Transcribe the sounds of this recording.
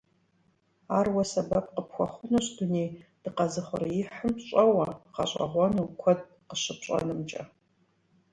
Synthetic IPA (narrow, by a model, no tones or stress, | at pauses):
aːrwɐsɐbɐp̚qəpxʷɔχʷʊnɐɕduneːd̥ɨqɐzɨχʷʊɾɐjɪħəmɕʼɐwɐqɐ̰ɕʷʼɐ̰ʁʷɔnukʷʰɔd̚ | qəɕɪpʰɕʼɐ̰nɨmt͡ʃʼɐ̰